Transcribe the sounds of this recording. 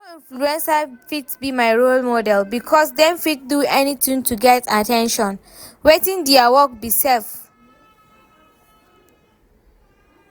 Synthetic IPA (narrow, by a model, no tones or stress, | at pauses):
ĩnfluɛ̃nsafitbimaɪɹolmɔdɛlbikʰɔsdɛ̃mfit̚duɛnitĩŋtuɡɛtatɛ̃nʃɔ̃n | wetĩndiawɔk̚bisɛf